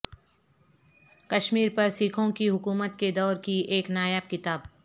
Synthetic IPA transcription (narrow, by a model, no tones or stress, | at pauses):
kɐʃmiːɾpɐɾsiːkʰõkiɦʊkuːmət̪ked̪ɔːɾkieːknaːjəːb̚kɪt̪aːb